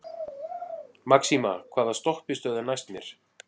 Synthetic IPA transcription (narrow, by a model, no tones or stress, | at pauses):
maksimakʰvaːðast̪ɔhpɪst̪œːðʏnajst̪mjɛ̰ɾ̥